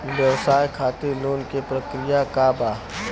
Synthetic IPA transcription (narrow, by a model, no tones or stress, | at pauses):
ʋjɐʋsaːjkʰaːt̪iɾloːnkepɾɐkɾɪjakaːbaː